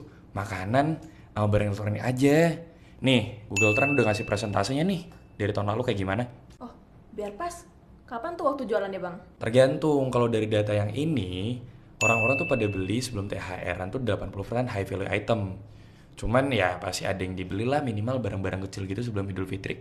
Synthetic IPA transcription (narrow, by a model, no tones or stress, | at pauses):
makanan | amabaɾaŋlt̪ɾaniad͡ʒa | nɪhɡuɡəlt̪ɾanudaŋasɪhpɾesɛnt̪a̰siɲanɪh | daɾit̪aunlalukajaɡimanaɔh | biarpas | kapant̪uwak̚t̪ud͡ʒualanjabaŋt̪ərɡant̪ʊŋkalodaɾidat̪ajaŋʔini | ʔoɾaŋoɾaŋt̪upadabəlisəbəlʊmt̪eɦa̰ʔḛɾant̪udəlapanpulufərsanɦajfiliʔa̰it̪əm | t͡ʃumanjapast̪iʔa̰dajŋdibəlilahminimalbaɾaŋbaɾaŋkət͡ʃɪlɡit̪us̬əbəlʊmidʊlfit̪ɾɪ̰ʔ̚